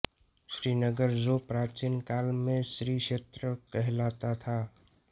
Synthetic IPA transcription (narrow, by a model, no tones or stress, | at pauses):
ʃɾiːnəɡəɾd͡ʒopɾaːt͡ʃinkaːlmẽsɾiʃeːt̪ɾəkəɦlaːt̪at̪ʰa